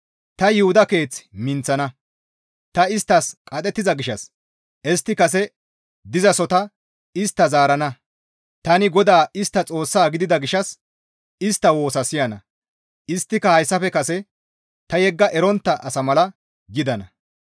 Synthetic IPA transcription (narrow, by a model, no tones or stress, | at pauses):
t̪ɐjɪhʊd̪ɐke̞ːt͡smɪnt͡sːɐnɐ | t̪ɐɪst̪ːɐskʼɐt̪ʼɛt̪ːɪzɐɡɪʃɐs | ʔɛst̪ːɪkɐsɛ | d̪ɪzɐsɔt̪ɐ | ɪst̪ːɐzaːɾɐnɐ | t̪ɐnɪɡɔd̪aːɪst̪ːɐt͡sʼo̞ːsːaːɡɪd̪ɪd̪ɐɡɪʃɐs | ɪst̪ːɐwo̞ːsɐsɪjɐnɐ̰ | ɪst̪ːɪkɐhɐjsːɐfɛkɐsɛ | t̪ɐjɛɡːɐʔɛɾɔnt̪ːɐʔɐsɐmɐlɐ | ɡɪd̪ɐnɐ